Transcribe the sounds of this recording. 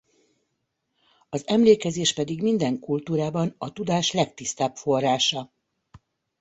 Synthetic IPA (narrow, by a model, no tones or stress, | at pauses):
ɒzɛmleːkɛzeːʃpɛd̪iɡmind̪ɛŋkult̪uːɾaːbɒnɒt̪ud̪aːʃlɛk̚t̪ist̪aːpfo̞rːaːʃɒ